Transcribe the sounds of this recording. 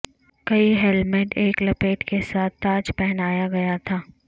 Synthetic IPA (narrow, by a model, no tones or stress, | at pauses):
kɐiɦɛlmeʈeːklɐpeːʈkesaːt̪̚ʰt̪aːd͡ʒpɛɦnaːjaɡɐjat̪ʰaː